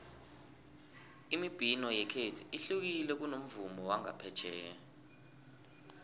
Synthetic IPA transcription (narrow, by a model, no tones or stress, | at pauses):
imib̥ʱinɔjɛkʰetʰiiɬuk̬ilɛk̬ʼunom̩vumɔwaŋa̰pʰɛd̥ʒ̥ʱɛːja